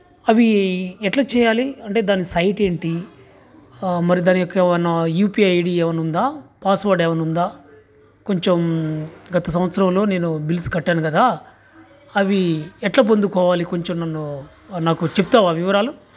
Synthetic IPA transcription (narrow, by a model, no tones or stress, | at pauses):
ɐʋiɛʈlaːt͡ʃɛːjaːliɐɳʈe̞ːd̪aːnisɐjʈe̞ːɳʈi | mɐɾid̪aːnijɔkːɐɛʋɐnːɐjuːpiːɐjɽiɛːʋɐnund̪aːpaːsʋaːɾɖɛːʋɐnund̪aː | ko̞ɲt͡ʃemɡɐt̪ɐs̬ɐmɐt̪sɐɾɐmlo̞ːneːnubilskɐʈːaːnukɐd̪aː | ɐʋiɛʈlaːp̬ond̪ukɔːʋaːlikoɲt͡ʃemnɐnːu | naːkut͡ʃep̚t̪aːʋaʋiʋɐɾaːlu